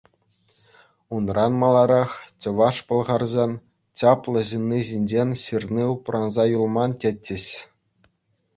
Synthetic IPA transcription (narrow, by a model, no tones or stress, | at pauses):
unrɑnmɑlˠɑɾɑχt͡ɕɤ̆ʋɑʂpɤ̆lˠʁɑrzɑn | t͡ɕɑplˠɤ̆ʑɯnʲːiʑinʲd͡ʑenʲɕɯrnʲiuprʔɑnzɑjulˠmɑntʲetʲːɘ̆ɕ